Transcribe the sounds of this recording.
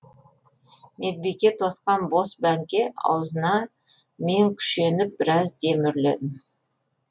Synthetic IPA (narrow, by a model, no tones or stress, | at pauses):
me̞d̪̚bekʲːe̞t̪ʰosqɑnbo̞sbæŋkʲe̞ɑ̰wzənɑ | me̞ŋkʲʰʏ̥ʃe̞nɪp̚b̥ɪɾɑzd̪e̞mɪɾle̞̰d̪ɪm